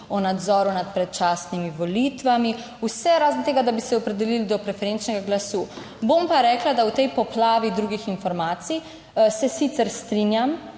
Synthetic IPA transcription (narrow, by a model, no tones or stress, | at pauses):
ɔnad̪zɔːɾunat̪pɾɛt̪̚t͡ʃaːsnimiʋɔlit̪ʋami | usɛɾaːzənt̪eːɡad̪abisɛɔpɾɛd̪ɛlilid̪ɔpɾɛfɛɾent͡ʃnɛɡaɡlasuː | bompaɾɛːklad̪awt̪ɛjpɔplaːʋid̪ɾuɡixinfɔɾmaːt̪sij | sɛsit̪sɛɾst̪ɾinjam